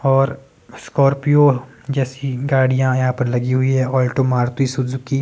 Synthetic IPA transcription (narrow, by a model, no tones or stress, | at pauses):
ɔːɾ | skɔːɾpijo | d͡ʒɛːsiɡaːɽijãjɐɦãpɐɾlɐɡiɦʊiɦɛɔːlʈomaːɾt̪isʊd͡ʒʊki